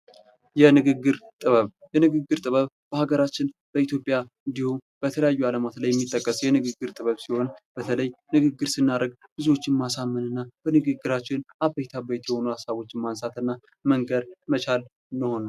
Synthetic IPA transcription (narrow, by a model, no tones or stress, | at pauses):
jɛnɨɡɨɡːɨɾt̪ʼɨβəβ | jɛnɨɡɨɡːɨɾt̪ʼɨβəβ | b̥əhaɡəɾat͡ʃːɪnb̥əit̪ʰjo̞pʼja | ɨnd̪ihumb̥ət̪ʰələjajːualəmat̪lajːɛmːit̪ʼːəkʼːəsjɛnɨɡɨɡːɨɾt̪ʼɨβəβsiho̞nb̥ət̪ʰələjnɨɡɨɡːɨɾsɨnːaɾəɡb̥ɨzo̞t͡ʃːɪnmasamːɨnɨnːab̥ənɨɡɨɡːɨɾat͡ʃːɪnʔabejt̪ʰabət̪jɛho̞nuhasaβo̞t͡ʃːɪmansat̪ɨnːa | məŋɡəɾmət͡ʃal | nɨho̞nə